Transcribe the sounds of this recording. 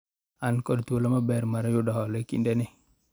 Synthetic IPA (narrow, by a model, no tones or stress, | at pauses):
ankɔdt̪olamabɛɾmaɾajudɔhɔlɛkḭndɛni